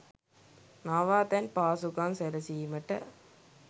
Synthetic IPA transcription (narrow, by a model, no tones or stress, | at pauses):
naːʋaːt̪enpaːsukaːnsɛlɾɐsimɐʈːɐ̰